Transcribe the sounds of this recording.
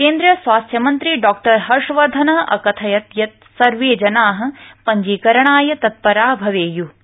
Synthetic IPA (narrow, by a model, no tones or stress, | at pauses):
keːnd̪ɾɐsʋaːst̪ʰjɐmɐnt̪ɾiɖɔːk̚ʈɐɾɦɐɾʂɐʋɐɾd̪ʱɐnɐʔɐ̰kɐt̪ʰɐjɐt̪jɐt̪̚ | sɐɾʋeːd͡ʒɐnaːɦɐ̆pɐɲd͡ʒiːkɐɾɐɳaːjɐt̪ɐt̪̚pɐɾaːbʱɐʋeːju